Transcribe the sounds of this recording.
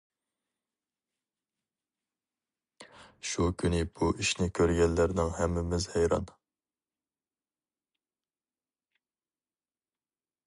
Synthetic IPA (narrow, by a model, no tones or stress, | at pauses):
ʃukʲʰynɪbuʔiʃnɪkʲʰøɾɡʲɛlːæɾnɪŋɦɛmːɪmɪzhɛjɾɑ̰n